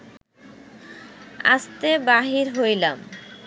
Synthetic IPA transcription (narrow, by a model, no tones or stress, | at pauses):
a̰st̪ebaɦiɾɦojlam